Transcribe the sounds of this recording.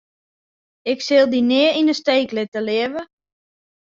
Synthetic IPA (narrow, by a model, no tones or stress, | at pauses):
ɪksɪlˠdinɪəinəsteːklɪtəlɪəvə